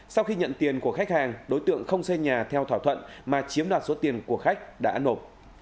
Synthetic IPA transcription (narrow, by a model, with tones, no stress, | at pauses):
sa˧wxi˧ɲə̰˧˨nt̪i˨˩ənku˧˩əxa˦˥k̟̚haː˨˩ŋɗo˨˦jt̪ɨ̰˧˨əŋxə˧wŋ͡mse˧ɲaː˨˩t̪ʰɛ˧wt̪ʰaː˧˩wt̪ʰwə̰˧˨nmaː˨˩t͡ɕi˨˦əmɗwaː˨˩t̚so˨˦t̪i˨˩ənku˧˩əxa˦˥k̚ɗa̰ː˧˥no˨˩p̚